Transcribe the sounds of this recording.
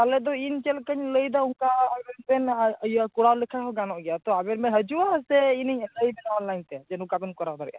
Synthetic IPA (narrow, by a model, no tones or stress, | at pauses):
alɛd̪ɔint͡ʃɛlkəɲləjd̪ɔuŋkaːbɛɾbɛnjakuɽalɛkʰakɔɡanɔʔɡɛjat̪ɔabɛɾmɛɦəd͡ʒuasɛiniɲləjbɛnɔnlajnt̪ɛd͡ʒɛnukabɛnkɔɾak̚d̪ɔɾɛ̰ʔa